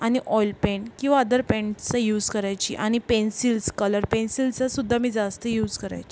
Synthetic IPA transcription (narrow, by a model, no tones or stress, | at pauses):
aɽ̃iʔɔjlpẽɳʈkĩw̃ʋaəd̪əɾpẽɳʈt͡sajuːd͡zkəɾajt͡ɕḭːʔaɽ̃ipensilskələɾpensilt͡sasud̪ʱːamiːd͡zast̪əjuːd͡zkəɾa̰jt͡ɕi